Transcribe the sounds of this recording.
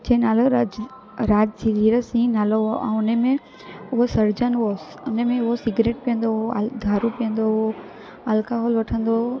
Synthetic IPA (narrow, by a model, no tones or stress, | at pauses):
d͡ʑɐ̃ːnaːlo | ɾaːd͡ʒsʰiɾiːɾəsĩnaːloɦoʔɛ̃ːʊnemẽ | ʊɦosɐɾd͡ʑənʋos | ʊnəmẽʊɦosɪɡɾeːʈ̚pijə̃nd̪oɦold̪ʱaːɾũpijə̃nd̪oɦo | ɐlkaɦoːlʋɐʈʰə̃nd̪o